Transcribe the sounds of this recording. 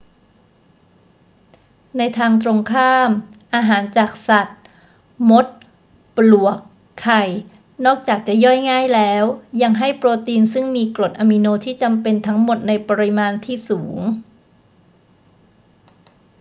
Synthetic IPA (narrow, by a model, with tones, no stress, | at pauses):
na˧jt̪ʰaː˧ŋt̪ɾo˧ŋkʰaː˥˩mʔaː˧ɦaː˩˦nt͡ɕaː˨˩k̚sa˨˩t̪̚ | mo˦˥t̪̚ | plu˨˩əkʰː | a˨˩j | nɔː˥˩k̚t͡ɕaː˨˩k̚t͡ɕa˨˩jɔ˥˩jŋaː˥˩jlɛː˦˥wja˧ŋɦa˥˩jpɾoː˧t̪iː˧nsɯ˥˩ŋmiː˧kɾo˨˩t̪̚ʔaː˧mi˧noː˧t̪ʰiː˥˩t͡ɕa˧mpe˧nt̪ʰa˦˥ŋmo˨˩t̪̚na˧jpa˧ɾi˦˥maː˧nt̪ʰiː˥˩suː˩˦ŋ